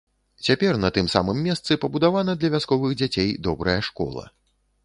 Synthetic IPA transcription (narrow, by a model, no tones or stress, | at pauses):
t͡sʲapʲɛrnɐt̪ɨmsa̰mɨmʲːɛst̪sɨpɐbud̪avanɐd̪lʲɐvʲaskɔvɨɣd͡zʲat͡sʲejd̪ɔbɾɐjɐʂkɔ̰lˠɐ̰